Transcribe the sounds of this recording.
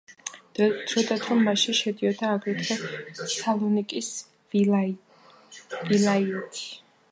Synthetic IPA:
t̪sʰɔt̪ʼat̪ʰɾɔmːaʃiʃɛd̪iɔd̪aːɡwit̪ʰχɛsalˠɔnikʼis | vilaiɛt̪ʰi̥

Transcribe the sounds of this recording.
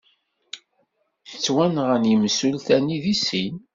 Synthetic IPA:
θə̥t͡sːwænʁənjəmsulθæniðisin

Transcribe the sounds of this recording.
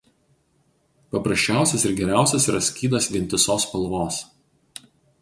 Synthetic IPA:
pɐpɾɐsʲt͡ʃʲæˑʊsʲɛsɪɾɡʲɛɾʲæˑʊsʲɛsiːɾɐsʲkʲiːd̪ɐsʋʲinʲt̪ʲɪsoːspɐlˠʋoːs

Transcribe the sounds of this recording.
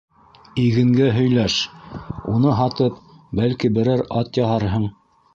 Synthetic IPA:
iɡɘ̆ŋɡæɦɵ̆jlæʃ | unɤɦɑt̪ɤp̚ | bælkibɘ̆ɾæɾɑt̪jɑhɑɾɦɤɴ

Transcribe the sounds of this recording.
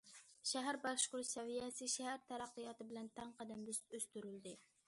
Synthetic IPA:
ʃæɦæɾbɑkʃqʊɾsɛvijæsɪʃæhæɾt̪ʰæɾɑqːɨjɑt̪ɪbɪlɛnt̪ʰæŋqɑd̪ɛnøst̪yɾyld̪ɪ

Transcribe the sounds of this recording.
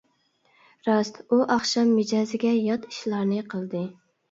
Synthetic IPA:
ɾɑst̪uʔɑχʃɑmːɪd͡ʒɑzɪɡʲɛjɑt̪i̥ʃlˠɑɾnɨqʰəlˠd̪ɨ

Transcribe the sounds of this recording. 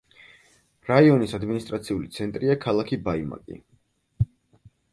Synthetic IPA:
ɾaiɔnisad̪minist̪ʼɾat̪sʰiulit̪sʰɛnt̪ʼɾiakʰalˠakʰibaima̰kʼḭ

